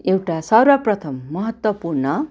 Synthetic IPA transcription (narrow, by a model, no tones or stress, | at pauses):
ewʈasʌrwʌprʌt̪ʰʌmːʌɦʌt̪wʌpurnʌ